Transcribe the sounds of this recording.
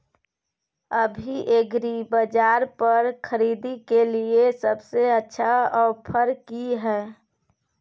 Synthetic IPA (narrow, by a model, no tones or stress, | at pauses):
əbʱiʔeɡɾibəd͡ʒaːɾpəɾkʰəɾiːd̪ikeliesəbseətːʃʰaɔːɾpʰəɾkiɦɛː